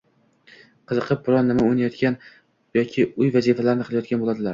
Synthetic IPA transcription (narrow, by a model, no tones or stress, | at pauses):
qʰɨzɨqʰɨp̚bʊɾɒnːɪmaʊjnajɒt̪kʲan | jɒkʲʰɪʊjvazifalaɾɪnɪqʰɨlˠajɒt̪̚kʲanbolˠad̪ɪlaɾ